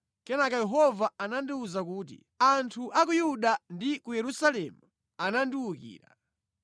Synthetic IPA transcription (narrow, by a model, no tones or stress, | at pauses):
kɛnakajɛɦɔvaanandiuzakuːt̬ḭ | antʰuʔakujuɗandikujɛɾusalɛmu | anandiwukḭːɾa̰